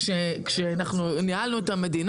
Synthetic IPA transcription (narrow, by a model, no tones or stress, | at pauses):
ʃekʃeanaχnunialnuet̪ame̞d̪in